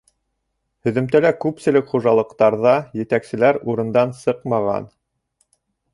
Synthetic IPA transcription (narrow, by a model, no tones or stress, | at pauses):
hɵ̆ðɵ̆mt̪ælækʉpsɘ̆lɘkχuʒɑlˠɤ̆qt̪ɑɾðɑjɘ̆t̪æksɘ̆læɾuɾɤ̆nd̪ɑnsɤqmɑʁɑ̰n